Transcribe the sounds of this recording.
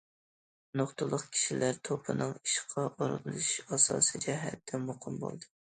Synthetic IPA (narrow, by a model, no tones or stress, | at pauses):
noχt̪ʊlˠːʊqkʲʰi̥ʃilæɾt̪ʰopʰɨnɨŋiʃqʰɑʔoɾlɨʃɑsɑ̰ːsɨd͡ʒɛɦæ̰t̪̚d̪ɛmoqʰɨmbo̰lˠd̪ɨ